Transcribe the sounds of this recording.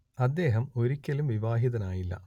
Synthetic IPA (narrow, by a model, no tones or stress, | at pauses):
ɐd̪ːe̞ːɦɐmo̞ɾikʲːɐlumʋiʋaːɦiðɐnaːjilːɐ̰